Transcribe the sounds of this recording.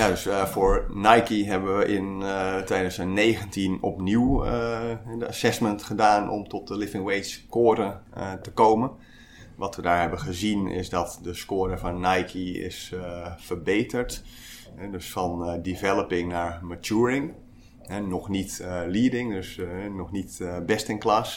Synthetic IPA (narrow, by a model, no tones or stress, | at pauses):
jadøsfʊːɹnajkiɦɛbəʋəʔɪntejdazəneːɣəntinɔpniw | ɛdəasɛsməntχədaːnɔ̰mtɔt̚dəlɪvɪŋwejtskoːdətəkowmən | ʋɑtʋədaːɹɦɛbənχəzinɪ̰sdɔtdəskoːɾəvɔnːajkʰiɪ̰sfəɹbejtəɹt | ɦɛdøsfɔndivɛləpɪŋnaːɹmatuəɹɪŋ | ɦɛnɔχnitliədɪŋdøsnɔχnitbɛstɪŋklas